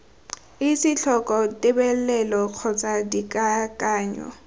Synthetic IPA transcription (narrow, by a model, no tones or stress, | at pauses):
ɪsɪɬʰɔkʼɔtʼɪbɛl̩lɛlɔq͡χʰɔt͡sʼadikʼakʼaːɲɔ̰